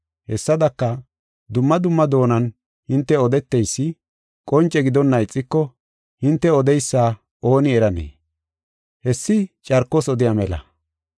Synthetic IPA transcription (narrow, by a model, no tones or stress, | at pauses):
hɛsːɐd̪ɐkːɐ | d̪ʊmːɐd̪ʊmːɐd̪o̞ːnɐn | hɪnt̪ːɛɔd̪ɛt̪ːɛjsːɪ | kʼɔnt͡ʃʼːɛɡɪd̪ɔnːɐɪt͡sʼːɪkːɔ | hɪnt̪ːɛɔd̪ɛjsːaː | o̞ːnɪɛɾɐnḛː | hɛsːɪt͡ʃʼɐɾkːɔsɔd̪ɪjamɛlɐ̰